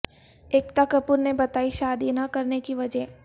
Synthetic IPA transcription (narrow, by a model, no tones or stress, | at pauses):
eːkt̪akɐpuɾnebɐt̪aːiʃaːd̪inɐkɐɾnekiʋɐd͡ʒɛɦ